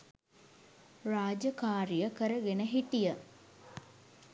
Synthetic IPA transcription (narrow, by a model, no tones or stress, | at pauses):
raːd͡ʒəkaːɾijəkəɾəɡenəɦiʈijə